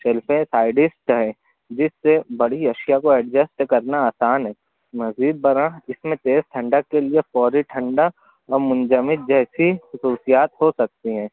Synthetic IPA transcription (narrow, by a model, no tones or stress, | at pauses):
ʃɛlfẽsaːɪɖɪsʈɦɛ̃ː | d͡ʒɪsːebɐɽ̤iɐʃijakoɛːɖd͡ʒəsʈkɐɾnaaːsaːnɦɛː | mɐziːd̪̚bɐɾãɪsmẽt̪eːzʈʰɐ̃ɳɖəkːeliefɔːɾiʈʰɐ̃ɳɖa | ɔːɾmʊ̃nd͡ʒəmɪt̪̚d͡ʒɛːsixʊsuːsijaːt̪ɦosɐk̚t̪iɦɛ̃ː